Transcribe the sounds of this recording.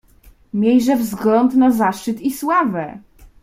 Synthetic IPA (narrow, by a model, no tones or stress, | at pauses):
mʲjejʐɛvzɡlɔnd̪nazaʂt͡ʂɘt̪iswavɛ